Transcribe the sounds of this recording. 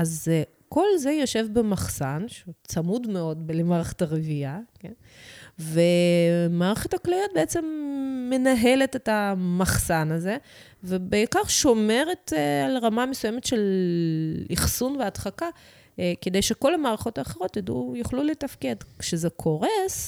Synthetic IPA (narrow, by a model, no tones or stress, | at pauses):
az | ko̞lze̞jo̞ʃe̞vbemaχsanʃeut͡samudmeo̞dbelemaːʁeχe̥taʁeviaken | vemaːʁeχethaklajot̚beet͡se̞mːe̞naɦe̞letetamaχsanaze̞ | vebeikaʁʃo̞me̞ʁe̞talʁamamesujemetʃe̞l | iχsunveadχaka | ke̞d̪e̞jʃeko̞lamaːʁaχo̞taːχeʁo̞t̪jadujuχluletafke̞dkʃezekʰo̞ʁes